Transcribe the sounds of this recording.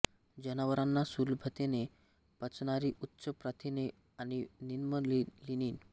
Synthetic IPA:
d͡ʑənaʋəɾanːasulbʱət̪ene | pət͡sɳaɾiʔut̪ːɕəpɾat̪ʰine | añininməlliniːn

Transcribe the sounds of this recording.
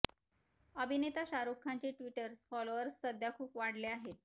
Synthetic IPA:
əbʱinet̪aɕaɾokʰːaɲt͡ɕeʈʋiʈəɾsfɔloʋəɾssəd̪ʱjakʰuːpʋaɽ̤leaɦet̪̚

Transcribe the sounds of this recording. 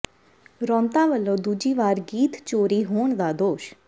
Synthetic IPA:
ɾɔ̃ːnt̪ãːʋəlːõːd̪uːd͡ʒiːʋaːɾɡiːt̪t͡ʃoːɾiːɦoːɳ̃d̪aːd̪oːʃ

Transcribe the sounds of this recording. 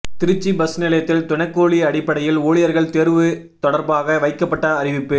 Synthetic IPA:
t̪ɪɾɯt͡ʃːibɐsnɪlɐjɐt̪ːɪlt̪ʊɳɐkːoːɭiɐɽɪpːɐɽɐjɪloːɭɪjɐɾɣɐɭt̪eɾʋɯ | t̪ɔɽɐɾbaːɣɐʋɐɪkːɐpːɐʈːɐːrɪʋɪpːɯ

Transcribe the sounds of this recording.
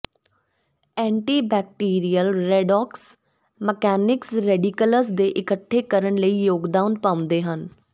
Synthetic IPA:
ɛ̃ːɳʈiːbɛːk̚ʈiːɾijəlɾɛːɖɔːks | məkɛːnɪksɾɛːɖikələsd̪eːʔɪkəʈʰːeːkəɾənləiːjoːɡd̪aːʊnpãːʊ̃nd̪eːɦən

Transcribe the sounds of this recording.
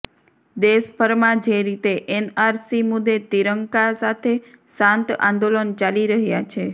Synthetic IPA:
d̪esbʱəɾmãd͡ʒeɾit̪eʔenaɾsimud̪ːet̪iɾəŋkasat̪ʰesãnt̪ã̰nd̪olənt͡ʃaliɾəɦjat͡ʃʰe

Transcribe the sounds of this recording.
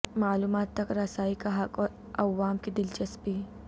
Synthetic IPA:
maːluːmaːt̪ːɐkɾɐsaːikaɦɐkɔːɾ | ɐʋːaːmkid̪ɪlt͡ʃɐspiː

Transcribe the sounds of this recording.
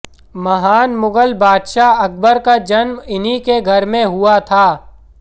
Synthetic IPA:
mɐɦaːnmʊɡəlbaːd̪ʃaɐk̚ʰbəɾkad͡ʒɐnmɪnikeɡʱɐɾmẽɦʊat̪ʰaː

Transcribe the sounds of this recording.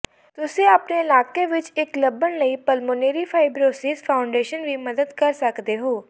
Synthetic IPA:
t̪ʊsẽəpneɪlaːkeʋɪt͡ʃɪkləbənləipəlmoːneːɾipʰaːɪbɾoːsiːzpʰaːʊɳɖeːʃənʋiːməd̪əd̪kəɾsəkd̪eɦoː

